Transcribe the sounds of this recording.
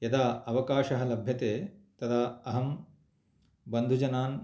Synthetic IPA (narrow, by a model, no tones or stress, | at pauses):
jɐd̪aːɐʋɐkaːʃɐɦɐ̆lɐbʱjɐt̪eːt̪ɐd̪aɐɦɐm | bɐnd̪ʱud͡ʒɐnaːn